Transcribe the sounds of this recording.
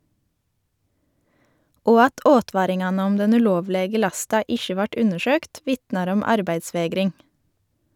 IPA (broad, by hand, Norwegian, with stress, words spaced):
ˈoː ˈɑt ˈʔoːˌtʋɑːɾɪŋˌɑːnə ˈɔm ˈdɛn ʉˈloːʋˌleːɡə ˈlɑstɑ ˈɪʃə ˈʋɑʈ ˈʉnəˌʃøːkt ˈʋɪtnɑɾ ˈɔm ˈɑɾbæɪdˌsʋeːɡɾɪŋ